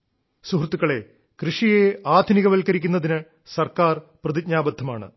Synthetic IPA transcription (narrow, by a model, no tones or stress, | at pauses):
suɦrt̪ːukːɐɭe̞ | krɨʂijeaːd̪ʱniɣɐʋɐlkɐɾikʲːunːɐðinɨ | sɐrkaːrprɐðid̚ɲaːbɐd̪ʱːɐmaːɳɨ̰